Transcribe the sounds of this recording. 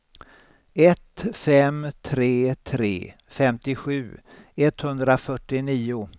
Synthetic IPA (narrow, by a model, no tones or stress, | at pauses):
ɛt̪fɛmt̪ʰɾeːt̪ʰɾḛː | fɛmt̪ɪɧʉ̟ː | ɛt̪hɵnd̪ɾafœʈːɪniːʊ